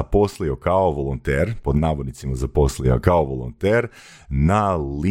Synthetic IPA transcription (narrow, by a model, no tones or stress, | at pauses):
apo̞slio̞kaoʋolˠont̪eːɾpo̞d̪naːʋod̪nit̪simazapo̞slio̰kaoʋolˠo̰nt̪eːɾ | nali